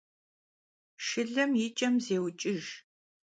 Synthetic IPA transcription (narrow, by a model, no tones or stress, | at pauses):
ʂɨɮɐmjɪt͡ʃʼɐmzeːwt͡ʃʼɪʒ